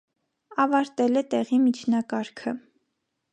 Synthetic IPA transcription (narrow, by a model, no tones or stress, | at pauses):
ɑvɑɾt̪ɛlɛt̪ɛʁimit͡ʃʰnɑkɑɾkʰə